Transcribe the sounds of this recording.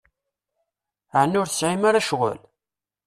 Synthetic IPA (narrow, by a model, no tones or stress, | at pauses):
ʕənːʊɾθə̥sʕimaɾaʃʁə̰l